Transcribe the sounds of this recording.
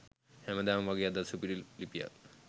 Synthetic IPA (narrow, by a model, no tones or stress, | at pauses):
hemɐd̪aːmʋaɡjad̪asupiɾillipija̰